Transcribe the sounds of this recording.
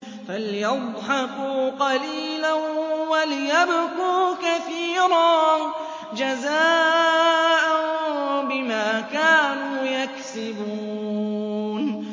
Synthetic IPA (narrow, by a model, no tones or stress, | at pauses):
faljɑðˤħɑkuːqɑliːlanwalɪjabkuːkaθiːɾˤɑː | d͡ʒazaː | ʔanbɪmaːkaːnuːjaksɪbuː | n